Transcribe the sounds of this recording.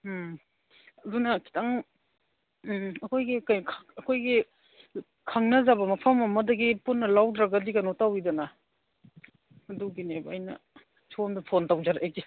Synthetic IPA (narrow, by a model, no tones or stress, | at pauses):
ɐdunɐkʰi̥tʰaŋ | ɐkʰojɡikajkʰɐkʰojɡi | kʰaŋnɐzabɐmɐpʰɐmɐmɐdɐɡipunːɐlawdɾaɡadikanotawidɐnɐ | ɐduɡinebɐɐ̰jnɐ̰ | sʰomdɐpʰontawd͡ʒaɾaʔajɡi